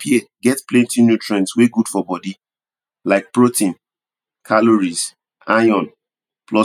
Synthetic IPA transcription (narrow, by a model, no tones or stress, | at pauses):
pʰieɡɛtplɛ̃ntinjutʰɹɛ̃nsweɡud̥fɔbɔdi | laɪk̚pɹotĩn | kʰaloɹiz | ajɔ̃n | plɔ